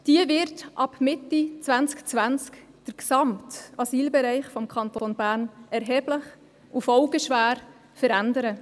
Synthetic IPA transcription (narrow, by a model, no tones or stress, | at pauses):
d̥iəvɪɾtʔɑb̥mɪtːit͡sʋænt͡skt͡sʋænt͡sk | d̥əɾksɑmtɑsiːlbɛɾɛɪχfɔmkʰχɑntonbæːɾnɛɾɦɛːb̥ləχ | ufɔʊɡəʃʋæːɾ | fəɾændəɾə